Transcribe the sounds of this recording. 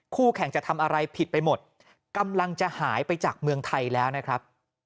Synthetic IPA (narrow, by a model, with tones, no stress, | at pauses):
kʰuː˥˩kʰɛ˨˩˦ŋt͡ɕa˨˩t̪ʰa˧mʔa˧ɾa˧jpʰi˨˩t̪̚pa˧jmo˨˩t̪̚ | ka˧mla˧ŋt͡ɕa˨˩haː˩˦jpa˧jt͡ɕaː˨˩k̚mɯ˧əŋt̪ʰa˧jlɛː˦˥wna˦˥kʰɾa˦˥p̚